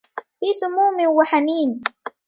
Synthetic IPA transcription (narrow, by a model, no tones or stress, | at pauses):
fiːsʊmuːmɪwaħamiːn